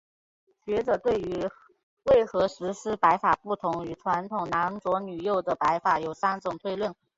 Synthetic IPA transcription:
ɕɥɛ˧˥ʈ͡ʂɤ˨˩t̪we˥˩ɪy˧˥ | we˥˩ɪxɤ˧˥ʂɻ̩˧˥ʂɻ̩˥pa˧˥ɪfa˨˩pu˥˩t̪ʰʊ˧˥ŋy˨˩ʈ͡ʂʰwa˧˥nt̪ʰʊ˨˩ŋna˧˥nt͡swɔ˧˥ny˨˩jo˥˩ʊd̪ə˩pa˧˥ɪfa˨˩jo˨˩ʊsa˥nʈ͡ʂʊ˨˩ŋt̪ʰwe˥˧ɪlwə˥˩n

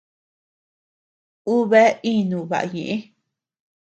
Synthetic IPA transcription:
u˦βe˦i˦nũ˨βa̰˨ʔa̰˧˨ɲẽ˨ʔẽ˦

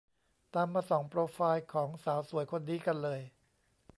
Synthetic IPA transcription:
t̪aː˧mːaː˧sɔː˩˦ŋpɾoː˧faː˧jkʰɔː˩˦ŋsaː˩˦wsu˨˩˦əjkʰo˧ndiː˧ka˧nlɤː˧j

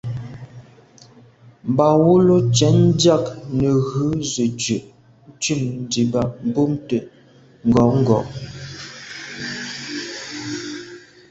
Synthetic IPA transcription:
m˨ba˨wu˦lo˦t͡ʃɛ˨˦n˦dja˦˨knə˨ɣʉ˨˦zə˨d͡ʒə˨ʔ̩˦ | t͡ʃʉ˦˨mn˦di˨ba˨m̩˨bo˦mtə˨ | ŋ̩˨ɡɔ˨˦ŋ̩˦ɡɔ̰˨ʔ

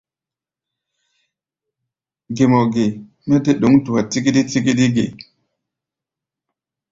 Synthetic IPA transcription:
ɡe˨mo˨ɡe˨ | me˦te˦ɗo˨˦ŋtu˨wa˨ti˦ki˦di˦ti˦ki˦di˦ɡḛ˨

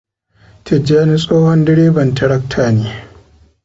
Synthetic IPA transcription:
tʰɪ˨d͡ʒaː˦ni˦sʼoː˦hɔ˦ndɪ˦ɽeː˦bɐ˨ntɪ˨ɽɐ˦k̚tʰaː˨neː˦

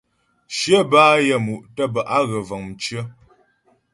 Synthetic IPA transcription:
ʃjə˦baː˦jə˦˨mu˨ʔtə˦bə˨ʔa˦ɣə˨və˨ŋ̩˨t͡ʃɰə˦

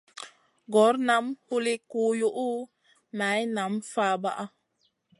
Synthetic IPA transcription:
ɡɔ˨˦ɾna˨˦mhu˦li˦ku˦ju˦ʔu˦ | na˨˦jna˨˦mfaː˦ba˦ʔa˦

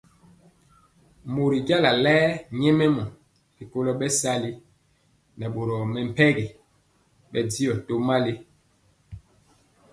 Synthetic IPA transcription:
mo˨ɾi˨ɡa˦la˨lɛː˦ɲɛ˦mɛ˦mɔ˨ | li˨ko˦lɔ˦ɓɛ˦sa˦li˦ | nɛ˨ɓo˨ɾɔ˨mɛ˨m̩˨pɛ˦ɡi˨ | ɓɛ˨di˦ɔ˨to˦ma˦li˦

